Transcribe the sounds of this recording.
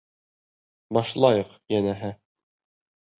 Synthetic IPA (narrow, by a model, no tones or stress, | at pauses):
bɑʃlˠɑjɤqjænæɦɘ